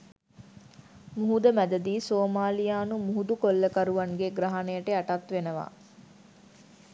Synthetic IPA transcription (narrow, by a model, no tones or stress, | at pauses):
muɦud̪əmæd̪ɐd̪iːsoːmaːlijaːnumuɦud̪ukolːəkɐɾuʋɐŋɡeɡɾɐɦɐnejəʈeɐʈɐt̪ʋenəʋa̰ː